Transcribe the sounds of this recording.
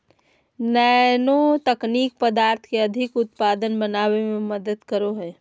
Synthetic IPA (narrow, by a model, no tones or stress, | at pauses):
nɛnot̪ɐkniːk̚pəd̪aːɾt̪ʰkeɐd̪ʱɪkʊt̪paːd̪ənbɐnaːwemẽmɐd̪əd̪kəɾoɦɛː